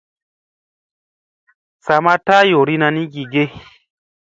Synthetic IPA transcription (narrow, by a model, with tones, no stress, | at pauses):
sa˨ma˦ta˦jo˨ɾi˦nã˧nĩ˦ɡi˨ɡe˦